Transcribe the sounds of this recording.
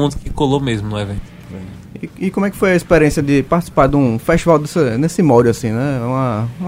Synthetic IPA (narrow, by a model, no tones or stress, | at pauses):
ũd̪ʊkɪkolomezmʊnũɛvẽt̪ʊ̥ | zḛ̃ | iːkõmʊ̃ɛkɪ̥fojɐispeɾiẽsjɐd̪ɪpaɾt̪isi̥paɾd̪ũfeʃt̪ivawd̪esɐnesimɔɾasĩnɛũɐ̃